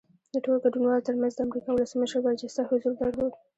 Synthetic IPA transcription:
d̪əʈoloɡaɖunwɑlot̪əɾmanzd̪əamɾikɑwʊləsməʃəɾbaɾd͡ʒɪst̪ɑhʊzuɾd̪aɽlod̪

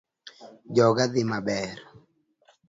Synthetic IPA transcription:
d͡ʒɔɡaðɪmabɛɾ

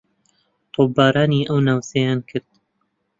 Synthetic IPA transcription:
t̪ʰoːbːaːɾaːniːʔəwnaːwsejaːnkʰɨɾd̪̥̚

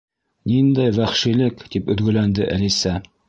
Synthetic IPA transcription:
nind̪æjwæχʃilɘkt̪ipɵ̆ðɡɵ̆lænd̪ɘʔælisæ

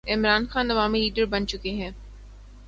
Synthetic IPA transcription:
ɪmɾaːnxaːnːɐʋaːmiliːɖəɾbɐnt͡ʃʊkeɦɛ̃ː

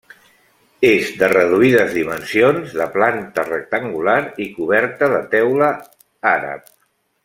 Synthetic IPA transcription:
ezd̪ərəð̞uiðəzðimənsijonzðəplant̪ərək̚t̪əŋɡulaɾikuβɛɾt̪əðət̪ɛwlə | aɾə̰p̚

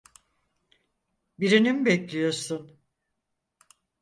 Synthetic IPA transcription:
biɾinimbɛclʲijo̞ɾsun

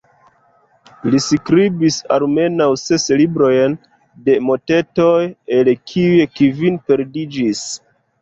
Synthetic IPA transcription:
liskɾibisa̰lme̞nawse̞slibɾo̞jn | de̞mo̞te̞to̞jelkʰiujekivinpe̞ɾdid͡ʒis

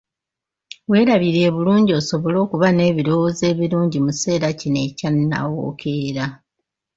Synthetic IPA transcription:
we̞ːɾaβiɾeːβuluːɲɟio̞ːso̞βo̞lo̞ːkuβane̞ːβiɾo̞woze̞ːβiɾuːɲɟimuse̞ːɾacine̞canːa̰wo̰kʰe̞ːɾa

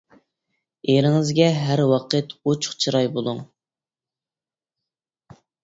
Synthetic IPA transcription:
eɾɪŋɪzɡʲɛɦæɾwɑqʰət̪ot͡ʃʰʊ̥χt͡ʃʰɨɾɑjbolˠuŋ

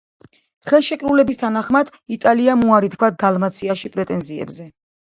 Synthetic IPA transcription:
χɛlˠʃɛkʼɾulɛbist̪ʰanaχmad̪̥ | it̪ʼaliamuaɾit̪kʰwad̪alˠmat̪sʰiaʃipʼɾɛt̪ʼɛnziɛ̰bzɛ

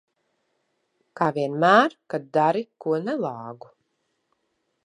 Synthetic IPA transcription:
kaːvʲiɛnmæːɾkad̪̚d̪aɾikuɔnɛlˠɑːɡu

